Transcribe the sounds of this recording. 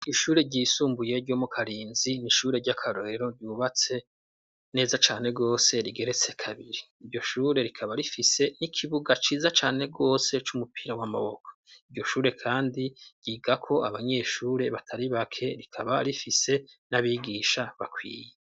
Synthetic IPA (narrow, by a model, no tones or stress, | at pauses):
iʃuːɾe̞ɾɟiːsuːmbuje̞ɾɟo̞mukʰaɾiːnziniʃuːɾe̞ɾɟakʰaɾoɾeɾo̞ɾɟuːβat͡se̞ | ne̞ːzat͡ʃaːne̞ɡo̞ːse̞ɾiɡe̞ɾe̞t͡se̞kʰaβiɾiːɾɟo̞ʃuːɾe̞ɾikʰaβaɾifise̞nikʰiβuɡat͡ʃiːzat͡ʃaːne̞ɡo̞ːse̞t͡ʃumupiːɾawama̰βoko̥iɾɟo̞ʃuːɾe̞kʰaːndiɾɟ̥iɡakʰo̞a̰βaɲe̞ːʃuːɾe̞βatʰaɾiβakʰe̞ɾikʰaβaɾifise̞naβiɡiːʃaβakwḭːje